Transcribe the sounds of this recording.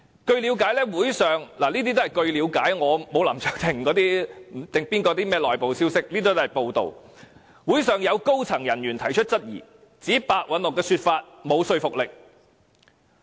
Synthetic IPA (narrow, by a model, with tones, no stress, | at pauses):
kɵ˧ɥliː˨˧wkaː˨˥jlɛː˥wuː˨˥jsœː˨ŋlaː˨˩niː˥t̪i˥t̪o˥hɐ˨jkɵ˧ɥliː˨˧˥wkaː˨˥jŋɔː˨˧mo˨˧wlɐ̰˨˩mt͡sœː˨˩k̚t̪ʰɪ˨˩ŋkɔː˨˥t̪iː˥m̩˨˩t̪ɪ˨ŋpiː˥nkɔː˧t̪iː˥mɛː˥lɔː˨jpo˨wsiː˥wsɪ˥k̚liː˥t̪i˥t̪ɦɐ˨˩jpo˧wt̪o̰˨w | wuː˨˥jsœː˨ŋjɐ˨˧wko˥wt͡sʰɐ˨˩ŋjɐ˨˩njyː˨˩nt̪ʰɐ˨˩jt͡ʃʰɵ˥t̚t͡sɐ˥t̚jḭː˨˩ | t͡siː˨˥paː˨˧k̚wɐ˨˥nlʊ˨kːɛː˧syː˧t̚faː˧t̚mo˨˧wsɵ˧ɥfʊ˨k̚lɪ˨k̚